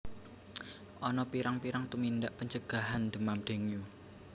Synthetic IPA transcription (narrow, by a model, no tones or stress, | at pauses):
ʔɔnɔpiɾaŋpiɾaŋt̪umind̪aʔpəɲt͡ʃəɡ̥a̤ɦand̪əmamɖ̪̥e̤ŋju